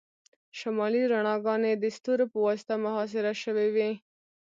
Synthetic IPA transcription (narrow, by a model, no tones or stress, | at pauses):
ʃamɑliɾaɳɑɡɑned̪əst̪uɾpəwɑst̪amʊɦɑs̬ɪɾaʃəwewi